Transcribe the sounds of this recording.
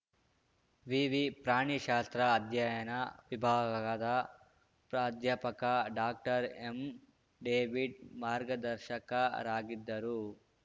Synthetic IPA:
ʋiʋipɾaːɳiʃaːst̪ɾɐːd̪ʱjajɐnɐʋibʱaːɡɐɐd̪ɐ | pɾaːd̪japɐkɐɖaːk̚ʈɐɾem | ɖeːʋiɖmaːɾɡɐd̪ɐɾʃɐkɐɾaːɡid̪ːɐɾu

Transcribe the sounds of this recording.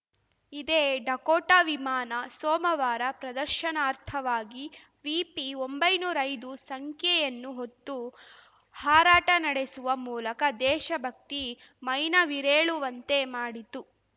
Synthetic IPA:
id̪eːɖɐkoːʈaʋimaːnɐsɔːmɐʋaːɾɐpɾɐd̪ɐɾʃɐnaːɾt̪ʰɐʋaːɡi | ʋiːpiombɐjnuːɾɐjd̪usɐŋkʰjɛjɐnːuɦot̪ːu | haːɾaːʈɐnɐɽesuʋɐmuːlɐkɐd̪ɛːʃɐbʱɐk̚t̪i | mɐjnɐʋiɾeːɭuʋɐnt̪e̞maːɽit̪u

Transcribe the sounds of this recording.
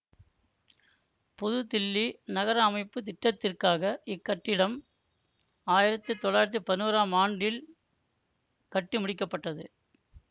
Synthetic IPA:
pʊðʊt̪ɪlːinɐɣɐɾɐːmɐɪpːɯt̪̬ɪʈːɐt̪ːɪrkaːɣɐɪkːɐʈːɪɽɐm | aːjɪɾɐt̪ːɯt̪ɔɭːaːjɪɾɐt̪ːɯpɐðɪnuːɾaːmaːɳɖɪl | kɐʈːɯmʊɽɪkːɐpːɐʈːɐðɯ

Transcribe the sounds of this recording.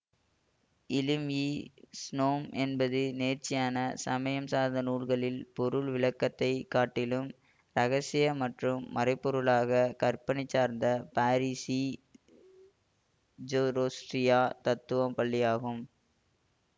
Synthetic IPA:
ɪlɪmiːsnoːmʔɛnbɐðɯneːɾt͡ʃːɪjaːnɐsɐmɐjɐmsaːɾðɐnuːɭɣɐɭɪlpɔɾɯɭʋɪɭɐkːɐt̪ːɐɪkaːʈːɪlɯm | ɾɐɣɐsɪjɐmɐʈrɯmːɐɾɐɪpːɔɾɯɭaːɣɐkɐrpɐɳɪt͡ʃːaːɾnd̪ɐpaːɾisi | d͡ʒoɾoːsʈɾɪjaːt̪ɐt̪ːɯʋɐmpɐɭːɪjaːɣɯm

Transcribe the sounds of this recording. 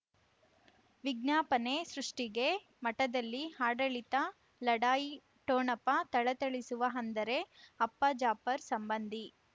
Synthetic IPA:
ʋiɡ̚naːpɐne̞sɾuʂʈiɡe̞ | mɐʈɐd̪ɐlːihaːɖɐɭit̪ɐ | lɐɽaːji | ʈoːɳɐpːɐt̪ɐɭɐt̪ɐɭisuʋɐɦɐnd̪ɐɾe̞ɐpːɐd͡ʒaːpɐɾsɐmbɐnd̪ʱi

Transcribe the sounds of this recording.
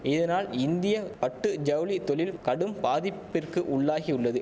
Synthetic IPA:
ɪðɐnaːlɪnd̪ɪjɐpɐʈːɯd͡ʒɐwlit̪ɔlɪlkɐɽɯmpaːðɪpːɪrkɯʔʊɭːaːɣiʊɭːɐðɯ

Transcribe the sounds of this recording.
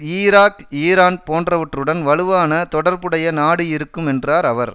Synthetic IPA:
iːɾaːkiːɾaːnpoːndrɐʋɐʈrɯɽɐnʋɐɭɯʋaːnɐt̪ɔɽɐɾbɯɽɐjɐnaːɽɯɪɾɯkːɯmɛndraːɾɐʋɐɾ

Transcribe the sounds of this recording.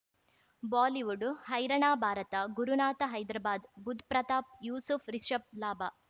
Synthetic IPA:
baːliʋuɖhɐjɾɐɳaːbʱaːɾɐt̪ɐɡuɾunaːt̪ɐɦɐjd̪ɾɐbaːd̪bud̪ʱpɾɐt̪aːp̚juːsupʰɾiʃɐp̚laːbɐ

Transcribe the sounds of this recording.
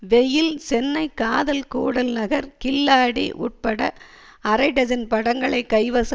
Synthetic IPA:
ʋɛjɪlsɛnːɐɪkaːðɐlkuːɽɐlnɐɣɐɾkɪlːaːɽḭʔʊ̰ʈ̚pɐɽɐ̰ | ɐɾɐɪɖɐd͡ʒɐnpɐɽɐŋɡɐɭɐɪkːɐɪʋɐs

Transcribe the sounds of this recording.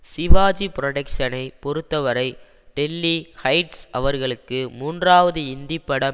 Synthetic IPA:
sɪʋaːd͡ʒipɪɾɔɽɐkʂɐnɐɪpɔɾɯt̪ːɐʋɐɾɐɪ | ɖɛlːihɐɪʈsʔɐʋɐɾɣɐɭɯkːɯmuːndraːʋɐðɯɪnd̪ɪpːɐɽɐ

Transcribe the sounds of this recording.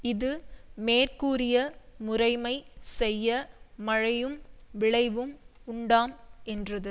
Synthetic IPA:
ɪðɯmeːrkuːɾɪjɐmʊrɐɪmɐɪsɛjːɐmɐɻɐjɯmʋɪɭɐɪʋɯmʊɳɖaːmɛndrɐðɯ

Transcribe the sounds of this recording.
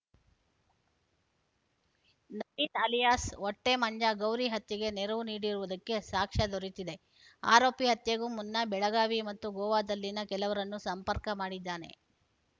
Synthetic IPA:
nɐbit̪aːlijaːsɔʈːemɐɲd͡ʒɐɡɐwɾiɦɐt̪jɐɡe̞neɾɐʋuniːɽiɾuʋud̪ɐkːe̞saːkʂɐd̪ʱoɾit̪id̪e̞ | a̰ːɾoːpiɦɐt̪jɐɡumunːɐbɛɭɐɡaːʋimɐt̪ːuɡɔːʋaːd̪ɐlːinɐkɛlɐʋɐɾɐnːusɐmpɐɾkɐmaːɽid̪ːaːne̞̰

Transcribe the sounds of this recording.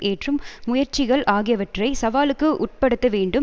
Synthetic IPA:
eːʈrɯmːʊjɐɾt͡ʃɪɣɐɭʔaːɣɪjɐʋɐʈrɐɪsɐʋaːlɯkːɯʔʊʈ̚pɐɽɯt̪ːɐʋeːɳɖɯ

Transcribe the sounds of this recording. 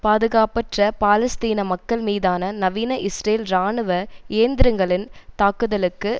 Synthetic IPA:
paːðɯɣaːpɐʈrɐpaːlɐst̪iːnɐmɐkːɐɭmiːðaːnɐnɐʋiːnɐʔɪsreːlɾaːɳɯʋɐeːnd̪ɪɾɐŋɡɐɭɪnt̪aːkɯðɐlɯkːɯ

